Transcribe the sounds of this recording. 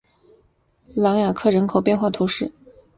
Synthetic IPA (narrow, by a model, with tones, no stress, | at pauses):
lɑ˧˥ŋja˨˩kʰɤ˥˩ɻə˧˥nkʰo˨˩ʊp̬jɛ˥˧nxwa˥˩t̪ʰu˧˥ʂɻ̩˥˩